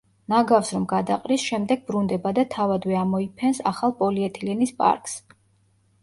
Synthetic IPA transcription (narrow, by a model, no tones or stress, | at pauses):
naɡafsɾɔmɡad̪aqʼɾisʃɛmd̪ɛɡ̚bɾund̪ɛbad̪at̪ʰavad̪vɛamɔipʰɛnsa̰χalˠpʼɔliɛt̪ʰilɛnispʼa̰ɾkʰʼs